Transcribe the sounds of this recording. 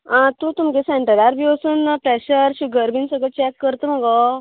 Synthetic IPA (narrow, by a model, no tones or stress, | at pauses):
ãt̪ũt̪umkẽsɛ̃ɳʈəɾaɾbʱiəsuːnpɾɛɕəɾɕuɡəɾbinsəɡət͡ɕɛkːəɾt̪om̤əɡɔ